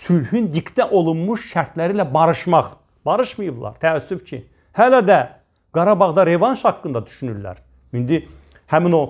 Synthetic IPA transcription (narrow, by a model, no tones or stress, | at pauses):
sylhynd̪ikt̪æʔo̞lˠunmuʃʃæɾt̪læɾilæbɑɾɯʃmɑχ | b̥ɑɾɯʃmɯjɯblˠɑ̰ɾt̪ʰæːsːyfcʰi | hælæd̪æ | ɡ̥ɑɾɑbɑʁd̪ɑɾe̞vɑnʃhɑkːɯnd̪ɑd̪yʃynyɾlæ̰ɾ | ind̪i | hæmino